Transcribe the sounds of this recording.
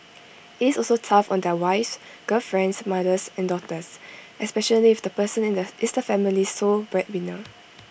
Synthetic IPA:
hiɪsɔlsotʰafɔ̰̃ndɛwaɪfs | ɡ̥əlfɹɛ̃ndsmadəsɛ̃ndɔtəsʔɛspɛʃəliːfd̥əpəsə̃nɪ̃ndəʔɪsdəfɛmilisobɹɛt̚wino

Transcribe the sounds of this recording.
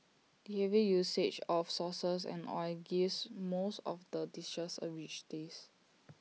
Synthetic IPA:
dihɛvijuset͡ʃɔfsɔsəsɛ̰̃nɔ̰jɡismosɔ̰fdədist͡ʃəsə̰wit͡ʃdes

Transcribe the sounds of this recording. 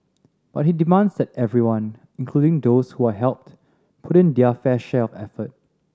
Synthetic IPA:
b̥at̚hidimãnsdɛt̚ɛvɹiwãn | ĩŋkʰludɪ̃ŋdoshuaɦɛlˠp̚t | pʰutĩndiəfɛʃɛɔfɛfət̚

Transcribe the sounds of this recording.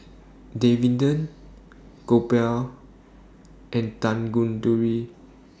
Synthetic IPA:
devĩndə̃n | kopɛl | ʔɛ̃ntãnɡũntuɹi

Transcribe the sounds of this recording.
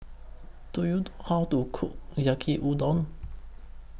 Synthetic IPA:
d̪̥ujud̪hɑd̪ukʰujakʰiʔud̪ɔn

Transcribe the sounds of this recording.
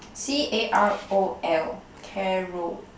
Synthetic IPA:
siʔeʔaɹoɛl | kʰɛɹo

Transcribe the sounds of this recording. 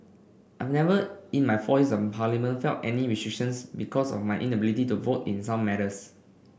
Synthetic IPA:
ʔajvnɛvəĩnmajfɔisɔ̃pʰalimə̃nfɛltɛniɹistɹikʃə̃nsbikʰɔsɔ̰fmajʔḭ̃nəbilitituvotḭ̃nsãmːɛɾəs

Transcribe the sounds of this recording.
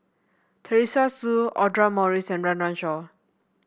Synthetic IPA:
t̪ʰəɹisasuɔdɹamɔɹisɛ̃nɹãnɹãnʃɔ

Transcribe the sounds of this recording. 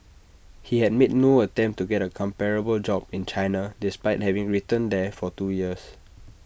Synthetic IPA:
hihɛd̚met̚noətɛ̃mp̚tuɡɛtəkʰɔ̃mpɛɹəbəld͡ʒɔbĩnt͡ʃaɪnadispaɪt̚hɛvĩŋɹitə̃ndɛfɔtujiəs

